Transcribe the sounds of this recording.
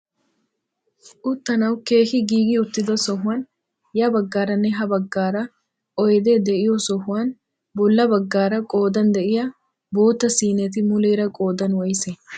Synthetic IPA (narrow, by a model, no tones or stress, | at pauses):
ʔʊt̪ːɐnɐwke̞ːhɪɡiːɡɪʊt̪ːɪd̪ɐsɔɦʊwaːn | jɐbɐɡːaːɾɐnːɛɦɐbɐɡːaːɾɐ | ʔɔjɛd̪eːd̪ɛʔɪjosɔhʊwaːn | bɔlːɐbɐɡːaːɾɐkʼoːd̪ɐnd̪ɛʔɪjɐ | bo̞ːt̪ːɐsiːnɛt̪ɪmʊleːɾɐkʼo̞ːd̪ɐnwɔjsɛ